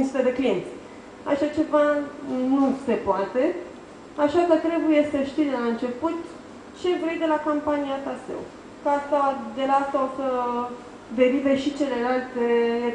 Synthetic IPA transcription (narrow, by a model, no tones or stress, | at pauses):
sut̪ed̪e̞klijent̪sʲ | a̰ʃat͡ʃe̞vanuse̞poat̪e̞ | aʃakət̪ɾe̞buje̞səʃt̪id̪elaɨnt͡ʃe̞put̪ | t͡ʃe̞vɾe̞jd̪e̞lakompaniat̪asḛw | kasawad̪e̞lat̪okə | d̪e̞ɾiveʃit͡ʃe̞lelalt̪e̞